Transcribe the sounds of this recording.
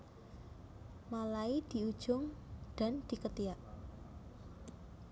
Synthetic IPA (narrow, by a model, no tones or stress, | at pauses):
malaid̪̥i̤ud̥ʒ̥ʊŋd̥a̤nd̪̥i̤kət̪iaʔ